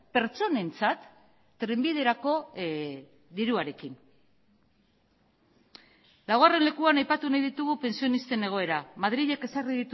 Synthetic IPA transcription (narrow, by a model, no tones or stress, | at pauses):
pe̞ɾt͡so̞ne̞nt͡sat̪ː | ɾe̞mbið̞e̞ɾako̞ | d̪iɾuaɾe̞kin | lawɣare̞nle̞kuanajpat̪unajðit̪uɣupe̞nsio̞nist̪e̞ne̞ɣ̞o̞e̞ɾamað̞ɾiʎe̞ke̞sariðit̪